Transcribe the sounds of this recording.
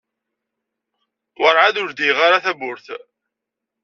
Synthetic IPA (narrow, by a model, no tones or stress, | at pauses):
wəɾˤʕaðʊɾd̪iʁaɾaθæbʊɾθ